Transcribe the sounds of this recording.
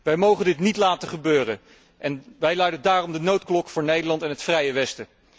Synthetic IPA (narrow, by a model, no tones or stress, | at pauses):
ʋɛjmowχəndɪtnitlaːtəχəbøːrə | ʔɛnʋɛjlœɥdəndaːrɔmdənowtklɔkfʊːɹnejdəɹlɑntɛnɦətfrɛjəʋɛstə